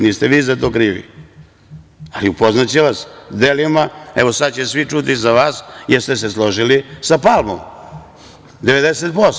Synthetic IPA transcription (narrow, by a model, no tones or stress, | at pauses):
niːst̪eʋiːzat̪oːkɾiːʋḭ | aliupo̞znat͡ɕeʋasd̪elimaeʋo̞sad̪t͡ɕesʋit͡ʂut̪izaʋaːsjeɾst̪es̬eslˠo̞ʒilisapalˠmo̰m | d̪eʋe̞d̪eset̪̚pos